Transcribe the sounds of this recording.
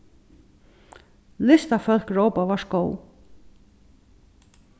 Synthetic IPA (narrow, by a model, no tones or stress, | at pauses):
lɪst̪afœlkɹowpavaɹʃkoːw